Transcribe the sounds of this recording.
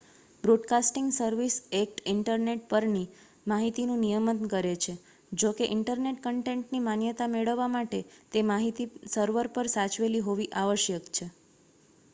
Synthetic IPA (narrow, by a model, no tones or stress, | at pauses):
bɾoɖkasʈɪŋɡsəɾʋisek̚ʈɪɳʈəɾneʈ̚pəɾni | maɦit̪inũnijəmət̪nkəɾet͡ʃʰe | d͡ʒokeʔɪɳʈəɾneʈ̚kəɳʈẽɳʈnimanjət̪ameɭəʋːamaʈet̪emaɦit̪isəɾʋəɾpəɾsat͡ʃʋeliɦoʋiʔaʋəʃjəkt͡ʃʰe